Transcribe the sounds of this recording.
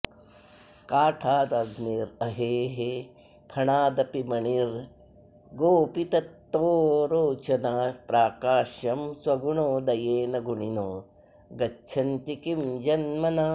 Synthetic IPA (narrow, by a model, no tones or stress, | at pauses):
kaːʈʰaːd̪ɐɡniɾɐɦeːɦe | pʰɐɳaːd̪ɐpimɐɳiɾ | ɡoːpit̪ɐt̪ːoːɾoːt͡ʃɐnaːpɾaːkaːʃjɐmswɐɡuɳoːd̪ɐjeːnɐɡuɳinoː | ɡɐʃʰɐnt̪ikimd͡ʒɐnmɐna